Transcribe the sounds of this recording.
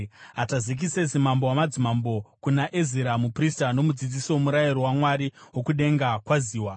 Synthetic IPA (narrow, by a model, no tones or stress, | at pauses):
ɦatazik̬isesimambowamad͡zimambo̞kunaʔeziɾamupristano̞mud͡zid͡zisiwomuɾajiɾowamwaɾiwo̞kuɗe̞ŋɡakwaziːwa